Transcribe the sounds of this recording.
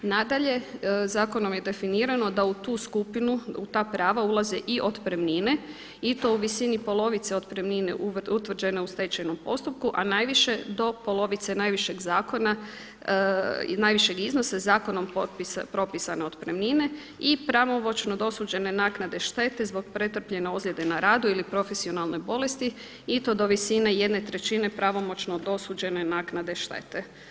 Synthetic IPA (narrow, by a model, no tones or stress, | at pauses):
nad̪aʎe̞zaːko̞no̞mje̞d̪e̞finiːɾano̞d̪aut̪uːskupinuut̪aːpɾaːʋaulˠazeʔiʔo̞d̪pɾemnine̞ | it̪o̞uʋisinipo̞lo̞ʋit̪seo̞d̪pɾemninḛʔuʋut̪ʋr̩d͡ʒe̞ne̞ust̪e̞t͡ɕajno̞mpo̞st̪up̚kuʔanaːjʋiʃe̞d̪o̞po̞lˠo̞ʋit̪senaːjʋiʃe̞ɡzaːko̞na | najʋiʃe̞ɡiznosazaːko̞no̞mpopɾo̞pisane̞o̞d̪pɾemnine̞ | ipɾaʋo̞mo̞t͡ʃnod̪o̞suːd͡ʒe̞ne̞naːknad̪e̞ʃt̪e̞t̪e̞zbo̞k̚pɾet̪r̩pʎe̞neozlʲe̞d̪e̞naɾaːd̪uilipɾo̞fe̞sio̞nalˠno̞jbo̞le̞st̪i | it̪o̞d̪o̞ʋisineje̞d̪ne̞t̪ɾe̞t͡ɕine̞pɾaʋo̞mo̞t͡ʃno̞d̪o̞suːd͡ʒe̞ne̞naːknad̪e̞ʃt̪e̞̰t̪e